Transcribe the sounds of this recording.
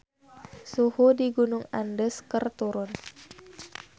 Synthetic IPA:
suhudiɡunʊŋa̰ndəskərt̪uɾʊn

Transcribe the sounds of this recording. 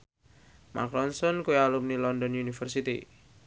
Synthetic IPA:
mʔa̰klɔnsɔnkuealumnilɔndɔnunifərsit̪ḭ

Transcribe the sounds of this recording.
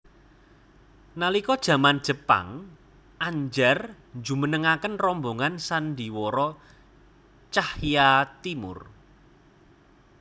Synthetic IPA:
nalikɔd̥ʒ̥ä̤mand̥ʒ̥ə̤pa̰ŋ | ʔaɲd͡ʒɛr | nd͡ʒumənəŋakənrɔmboŋansand̪iwɔɾɔ | t͡ʃahjat̪imʊ̰r

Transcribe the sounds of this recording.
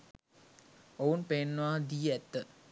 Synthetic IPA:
ounpenːəʋad̪iːæt̪ːə

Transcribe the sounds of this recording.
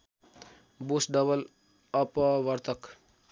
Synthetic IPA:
bosɖʌbʌl | ʌpʌʋʌɾt̪ʰʌk

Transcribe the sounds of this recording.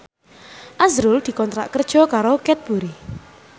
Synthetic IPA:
ʔazɾʊld̪̥i̤kɔnt̪ɾa̰ʔkərd̥ʒ̥ɔ̤kaɾokɛt̪̚b̥uɾi

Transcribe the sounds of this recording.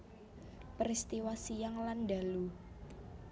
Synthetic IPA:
pəɾist̪iwasijaŋlanɖa̤lu

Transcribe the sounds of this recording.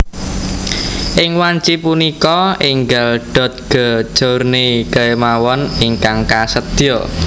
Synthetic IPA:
ʔɪŋwaɲt͡ʃipunikɔiŋɡalɖ̥ɔ̤t̪̚ɡ̥ə̤d̥ʒ̥ɔrnekəemawɔniŋkaŋkasət̪iɔ

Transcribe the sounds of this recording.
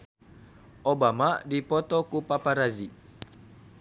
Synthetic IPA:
ʔobamadipɔt̪okupapaɾazi

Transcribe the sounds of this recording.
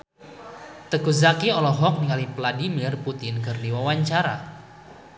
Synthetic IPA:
t̪əɡuzakiɔlɔɦɔk̚niŋalipladimirput̪ɪnkɨrdiwawaɲt͡ʃaɾa

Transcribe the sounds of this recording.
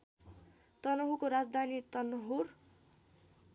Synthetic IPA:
t̪ʌnʌɦukoɾad͡zd̪ʱanit̪ʌnʌɦur

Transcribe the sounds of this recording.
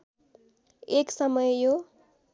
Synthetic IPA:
eksʌmʌjjo

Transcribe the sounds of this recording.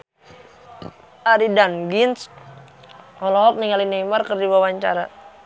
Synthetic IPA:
ʔaɾidanɡins | ɔlɔɦɔk̚niŋalinejmarkərdiwawaɲt͡ʃa̰ɾa

